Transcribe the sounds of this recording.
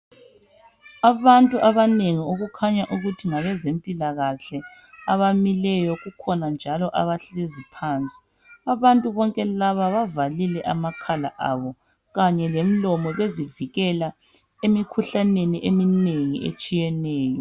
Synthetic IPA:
aβantʼuʔaβaneŋioɣukʰaɲaʔuɣutʰiŋaβɛzempʼilaɣaɬɛ | aβamilɛjɔɣukʰɔnand͡ʒʱalɔʔa̰βaɬezipʰaːnt͡sʼi̥ | aβantʼuβɔŋkʼɛlaβaβavalilɛʔamakʰala̰ʔaβɔ | ɣaɲɛlem̩lɔmɔβeziviɣɛla | emikʰuɬaneniʔemineŋḭḛt͡ʃʼijɛnɛːjɔ

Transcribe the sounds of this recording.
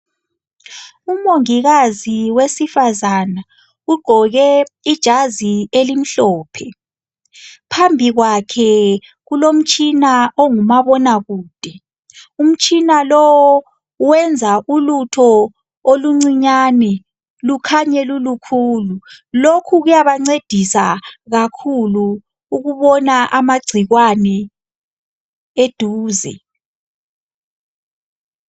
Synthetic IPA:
umoŋiɣaziwesifazana | uɡ͡ǃʱɔɣɛid̥ʒ̥ʱazielim̩ɬɔːpʰɛ | pʰambʱiɣwakʰɛ | ɣulom̩t͡ʃʼinaʔoŋumaβɔnaɣuːd̥ʱɛ | um̩t͡ʃʼinalɔwɔ | wɛnd͡zʱaʔulutʰɔ | oluŋ͡ǀiɲaːnɛ | lukʰaɲɛlulukʰuːlulokʰuɣujaβaŋ͡ǀed̥ʱisaɣakʰuluː | ɣuβɔnaʔamaɡ͡ǀʱiɣwanɛ | ed̥ʱuːzɛ̰

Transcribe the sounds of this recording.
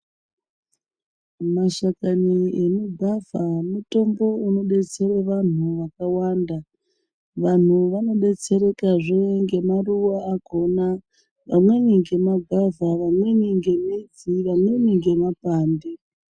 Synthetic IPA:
maʃakaniemuɡʱavamuto̞mbo̞uno̞ɓe̞t͡se̞ɾeʋan̤uʋakawanda | ʋan̤uʋano̞ɗe̞t͡se̞ɾe̞kaʐeŋɡe̞maruwaaɡʱo̞na | ʋamwe̞niŋɡe̞maɡʱavʱaʋamwe̞niŋɡe̞mid͡ziʋamwe̞niŋɡe̞mapaːnde

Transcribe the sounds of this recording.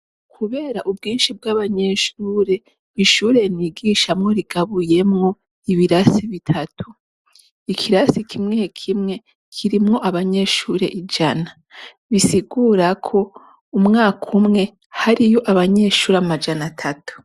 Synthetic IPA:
kʰuβe̞ːɾaʔubɡiːnʃib̚ɡaːβaɲe̞ʃuːɾe̞ | iʃuːɾe̞niɡiːʃamŋo̞ɾiɡ̥aβuje̞mŋo̞ | iβiɾasiβitʰatʰu | ikʰiɾasikʰimŋekʰimŋe̞ | kʰiɾimŋo̞ʔaβaɲe̞ʃuɾe̞̰ʔid͡ʒana | βisiɡuːɾakʰo̞ | umŋaːkʰumŋe̞ | haɾijo̞ʔaβaɲe̞ːʃuːɾamad͡ʒanatʰatu̥

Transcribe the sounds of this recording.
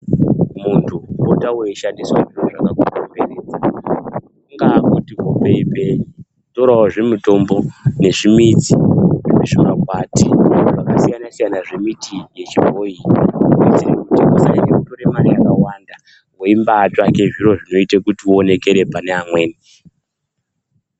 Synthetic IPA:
muntʰubotawe̞iʃandiswaʐiroʐakakokombereːd͡za | ŋɡakutiɦopeipe | toɾawoʐemuto̞mboneʐimit͡siʐiiʐimakwatiʐakasijanasijanaʐe̞mitije̞t͡ʃivʱoioit͡sirekutikusainekutoɾemarijakawanda | woimbaːt͡ʃake̞ʐiro̞ʐino̞itekutione̞ke̞ɾepaneamweːni

